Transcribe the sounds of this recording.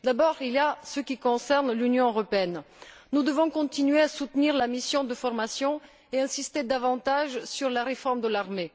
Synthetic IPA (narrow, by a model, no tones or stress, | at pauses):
d̪abɔʁiliasəkʲikɔ̃sɛʁnlynjɔ̃øʁɔpeɛnː | ud̪əvɔ̃kɔ̃t̪inɥeasut̪niʁlamisjɔ̃d̪əfɔʁmasjɔ̃ | eɛ̃sist̪ed̪avɑ̃t̪aʒsyʁlaʁefɔʁmd̪əlaʁme